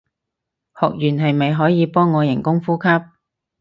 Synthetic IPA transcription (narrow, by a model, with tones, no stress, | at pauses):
hɔː˨k̚jyː˨˩nɦɐ˨jmɐ˨jɦɔː˨˥jiː˨˧pɔː˥ŋːɔː˨˧jɐ˨˩ŋkʊ˥ŋfuː˥kʰɐ˥p̚